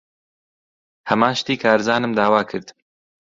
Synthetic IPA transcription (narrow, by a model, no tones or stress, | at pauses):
hɐmãːnʃt̪iːkʰaːɾzaːnɨmd̪aːwaːkʰɨɾd̪